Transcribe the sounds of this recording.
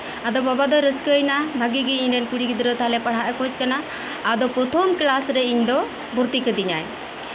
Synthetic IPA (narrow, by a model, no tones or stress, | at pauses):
ad̪ɔbabad̪ɔɾəskəjnabʱaɡiɡɛiɲɾɛnkuɽiɡid̪ɾət̪aɦalɛpaɽ̤aʔkɔd͡ʒkanaː | d̪ɔpɾɔt̪ʰɔmklasɾɛiɲd̪ɔ | buɾt̪ikəd̪iɲaj